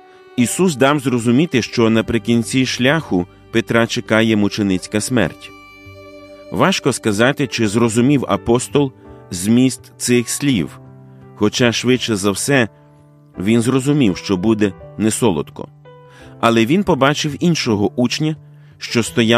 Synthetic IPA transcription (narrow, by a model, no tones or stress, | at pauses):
isusd̪ɑwzrɔzʊmʲit̪ɪʃt͡ʃɔnɐpɾɪkʲinʲt͡sʲiʃlʲaxʊ | pet̪ɾɑt͡ʃekɑjɛmʊt͡ʃenɪt͡sʲkɐsmɛ̰rtʲ | ʋɑʃkɔskɐzɑt̪ɪt͡ʃɪzrɔzʊmʲiwɐ̰pɔst̪ɔlˠzʲmʲist̪sɪxsʲlʲiwxɔt͡ʃɑʃʋɪt͡ʃːɛzɐwsɛ | ʋʲinzrɔzʊmʲiwʃt͡ʃɔbud̪ɛnɛsɔlˠɔ̰t̪kɔ̰ | ɐlˠɛʋʲinpɔbɑt͡ʃɪwinʃɔɦɔʔut͡ʃnʲɐ | ʃt͡ʃɔst̪ɔja